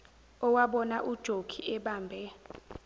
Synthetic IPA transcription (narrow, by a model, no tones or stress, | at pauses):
ɔwaɓɔnaʔud̥ʒ̥ʱoɡ̥ʱiɛɓaːmbʱɛ